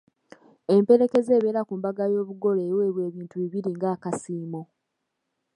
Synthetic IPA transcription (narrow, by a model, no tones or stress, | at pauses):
e̞mpe̞ɾe̞ke̞ze̞ːβe̞ːɾakumbaɡajo̞ːβuɡo̞leːwe̞ːβwe̞ːβiːntuβiβiɾiŋɡaːkasiːmo